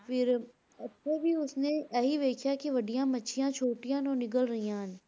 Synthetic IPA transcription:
fɪɾ | ɐtːʃʰebʱiʊsneɐɦiʋeːkʰjakiʋɐɖijãmɐtːʃʰijãt͡ʃʰoːʈijãːnɔːnɪɡəlɾɐɦijãːn

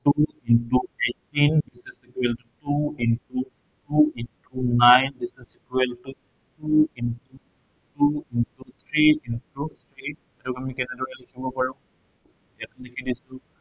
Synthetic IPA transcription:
tu | intuetindisɛsikwɛltutuintu | tuintunajndisɛsikweltu | tuintu | tuintut̪ʰɹiintut̪ʰɹi | ɛtukamikɛnɛdɔkɛlekʰibɔpaɹũ | ɛtulekʰidisu

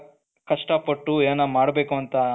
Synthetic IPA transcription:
kɐʂʈɐpɐʈːueːnɐmaːɽbe̞ːkuɐnt̪ɐ

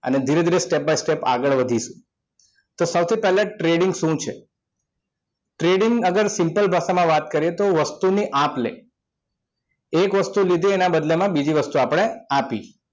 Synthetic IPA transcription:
ə̰ned̪ʱiɾed̪ʱiɾesʈep̚bajsʈepa̰ɡəɭʋəd̪ʱiʃũ | t̪osəwt̪ʰipɛɦleʈɾeɖiŋɡʃũt͡ʃʰe | ʈɾeɖiŋɡəɡəɾsɪmpəlbʱaʃamãʋat̪kəɾijet̪oʋəst̪uniʔãplḛ | ʈekʋəst̪ulid̪ʱienabəd̪lemãbid͡ʒiʋəst̪uapɽ̃eapi

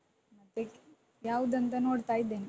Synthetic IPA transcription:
mət̪ek | jaud̪ənt̪ənoɽt̪ajd̪en

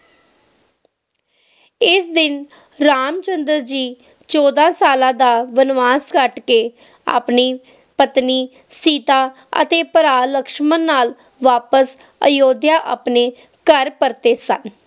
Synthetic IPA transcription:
ɪsd̪ɪn | ɾaːmt͡ʃənd̪əɾd͡ʒiː | t͡ʃɔːd̪ãːsaːlãːd̪aːʋənʋaːskəʈkeː | a̰ːpniː | pət̪niː | siːt̪aː | ə̰t̪eːpəɾaːləkʃmənːaːl | ʋaːpəs | ə̰joːd̪jaːʔaːpneː | kəɾpəɾt̪eːsə̰n

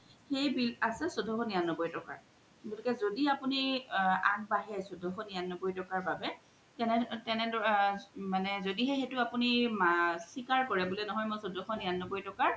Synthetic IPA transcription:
xejbilasɛsodʱɔxɔnijanːɔbɔjtɔka̰ɹ | ɡotikɛzodiapunia̰ŋbaɦɛsodʱɔxɔnianːɔbɔjtɔkaɹbabɛ | tɛnɛtɛnɛdɔmanɛzodiɦɛxetʊapunimasikaɹkɔɹɛbulɛnɔɦɔjmʊsodʱɔxɔnijanːɔbɔjtɔkaɹ

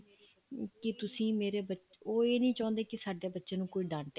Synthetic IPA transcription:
kɪt̪ʊsĩːmeːɾeːbə | oːeːnəĩːt͡ʃãːnd̪eːkɪsaːɖjaːbətːʃãːnũːkoːiːɖãːɳʈ

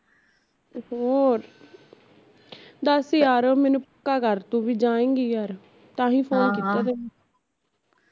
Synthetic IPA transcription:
hoːɾ | d̪əsjaːɾoːmɛːnũːpkaːɡəɾt̪õːʋiːd͡ʒãːẽːɡiːjaːɾ | t̪ãːɦĩːpʰoːnkiːt̪aːd̪eː

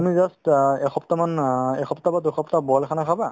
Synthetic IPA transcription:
amizastɛxʰɔptamanɛxʰɔptabaduxɔptabɔalkʰanakʰaba

